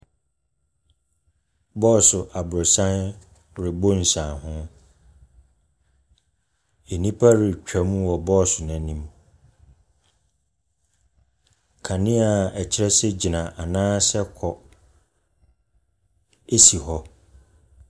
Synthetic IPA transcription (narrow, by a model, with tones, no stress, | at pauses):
bɔː˦˨sʊ˨ʔa˨bʊ˨ɾʊ˨sã˦n | ɾɪ˨bo˦n̩˨sãː˨hʊ̃˦ | e˨nĩ˦pʰa˦ɾɪ˨t͡ɕᶣa˨mũ˦wɔ˨bɔː˦˨sʊ˨nã˨nĩ˦m˨ | kʰa˨nɪ̃˦a˨ɛ˨t͡ɕʰɪ˦ɾɛ˦sɛ˦d͡ʑi˨nã˨ʔa˨nãː˦sɛ˦kʰɔ˨ | e˦si˨ɦɔ˦